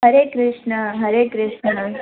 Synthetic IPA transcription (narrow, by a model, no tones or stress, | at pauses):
ɦəɾekɾɪʃɳəɦəɾekɾɪʃnə